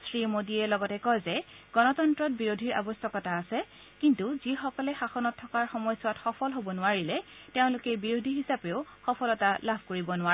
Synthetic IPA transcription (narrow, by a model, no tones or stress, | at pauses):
sɹimodiɛlɔɡɔtɛkɔjzɛɡɔnɔtɔntɹɔt̚biɹodʱiɹa̰bɔstɔkɔtaːsɛ | kintuzixɔkɔlɛxaxɔnɔtʰːɔkaɹxɔmɔjsʊwatxɔpʰɔlɦobɔnʊaɹilɛteʊ̃lʊkɛbiɹodʱiɦisapeʊxɔpʰɔlɔtalabʱkoɹibɔnʊa